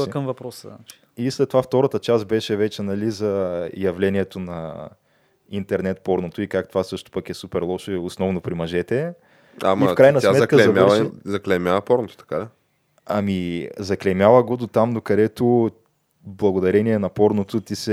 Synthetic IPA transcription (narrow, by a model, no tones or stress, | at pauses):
kəmvɐpɾɔsət͡ʃ | islɛt̪ːovaft̪ɔɾət̪ət͡ʃas̬t̪̚bɛʃɛvɛt͡ʃɛnɐlizɐjɐvlɛniɛt̪onɐ | int̪ɛɾnɛt̪pɔɾnot̪oikak̚t̪ovasɤʃt̪o̥pɐkɛsupɛɾlˠɔʃɛʊsnɔvnopɾimɐʒɛt̪ɛ | a̰mifkɾajnɐsʲmaɛt̪kəzmʲaɛzɐklɛmʲjavɐpɔɾnot̪o̥t̪ɐ̥ka | ɐmizɐklɛmʲjavəɡod̪ot̪amd̪okɐd̪ɛt̪o | blˠɐɡod̪ɐɾɛniɛnɐpɔɾnot̪ʊt̪isɛ